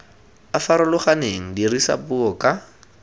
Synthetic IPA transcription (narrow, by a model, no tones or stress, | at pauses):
afaɾʊlʊχaneŋ̩dirisa̰puɔka